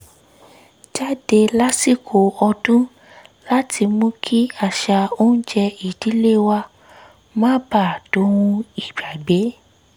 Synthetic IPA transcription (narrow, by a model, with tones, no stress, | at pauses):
d͡ʒa˦˨de˧la˦si˦˨kʰo˨ɔ˧dũ˦ | la˦tʰi˧mũ˦kʰi˦a˦˨ʃa˧o˦n̩˦d͡ʒɛ˧i˨di˨˦le˦wa˧ | mã˦ba˦˨do˨˦wũ˧i˨ba˨ɡ͡be˨˦